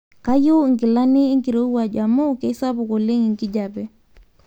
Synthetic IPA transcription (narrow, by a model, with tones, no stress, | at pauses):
ka˦jo˦˨ŋki˨la˦niː˦ŋki˨ɾo˦u˦wa˨d͡ʒa˨mo˦ke˦sa˦bu˨ko˨le˦ŋi˨ŋki˦ɟa˨bɛ˨